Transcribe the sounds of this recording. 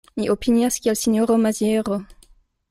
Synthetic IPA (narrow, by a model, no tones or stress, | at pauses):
miʔopinjaskʲialsiɲoʁomazjɛʁo